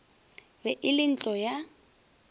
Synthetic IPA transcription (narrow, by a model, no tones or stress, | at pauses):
bɛʔɪlɪn̩t͡ɬʼɔja